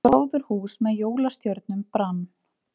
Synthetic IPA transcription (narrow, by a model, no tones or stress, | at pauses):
ɾoːwðʏɾ̥huːsmɛðjoːwlast̪jœɾt̪nʏmpɾan